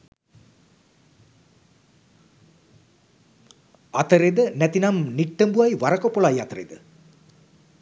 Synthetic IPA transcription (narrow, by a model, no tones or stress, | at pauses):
ɐt̪ɐɾed̪ənɛt̪inɐmniʈːɐmbuʋɐjʋaɾɐkopːoɭaːjat̪ɐɾḛd̪ə